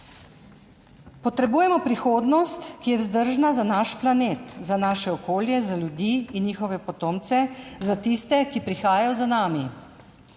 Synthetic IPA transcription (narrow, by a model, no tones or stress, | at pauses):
pɔt̪ɾɛbuːjɛmɔpɾixoːd̪nɔst̪kijɛwzd̪əɾʒnazanaʃplaneːt̪zanaːʃɛɔkoːljɛzaljud̪iːinjiːxɔʋɛpɔt̪oːmt̪sɛzat̪ist̪ɛkipɾixaːjajɔzanaːmi